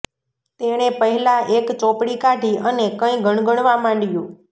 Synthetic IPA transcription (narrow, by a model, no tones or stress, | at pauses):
t̪eɽ̃epəɦɛlaʔekt͡ʃɔpɽikaʈiənekə̃ĩɡʱəɳ̃ɡəɽ̃ʋamãɳɖjũ